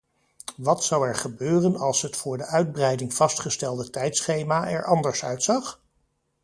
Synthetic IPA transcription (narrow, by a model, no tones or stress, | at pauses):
ʋɑtsʌwɛɹχəbøːrənɑlˠsɦətfʊːɹdəʔœɥd̚brɛjdɪŋv̥ɑstχəstɛlˠdətɛjtsχejmaːʔɛ̰ɹʔɑndəɹsœ̰ɥtsɑχ